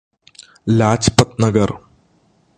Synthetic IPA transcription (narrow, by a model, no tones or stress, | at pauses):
laːt͡ɕpɐt̪̚nɐɡɐr